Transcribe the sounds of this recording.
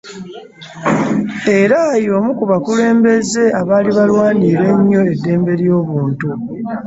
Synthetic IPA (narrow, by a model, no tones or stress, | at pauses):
e̞ɾajoːmukuβakule̞ːmbe̞ze̞aβaːliβalwaːniːɾe̞ɲːo̞e̞dːe̞ːmbe̞ɾjo̞ːβuːntu